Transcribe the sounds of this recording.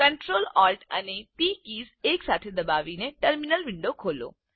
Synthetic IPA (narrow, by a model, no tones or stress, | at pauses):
kɐɳʈɾoːlɔːlʈɐ̰nepiːkiːzeːksaːt̪ʰed̪ɐbaːʋineʈəɾmɪnəlʋɪ̃ɳɖokʰoːlo̰ː